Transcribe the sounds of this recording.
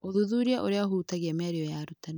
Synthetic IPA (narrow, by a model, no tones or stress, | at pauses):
oðuðuɾiaʔoɾeaɦuːtaɣiɛmaɾiɔjaɾutan